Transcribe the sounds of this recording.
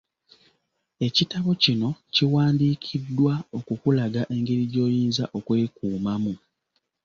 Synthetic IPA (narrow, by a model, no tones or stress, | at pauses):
e̞citaβo̞cino̞ciwaːndiːkʰidːwao̞kukulaɡaʔe̞ŋɡeɾiɟo̞ːjiːnzaʔo̞kwe̞ːkuːmamu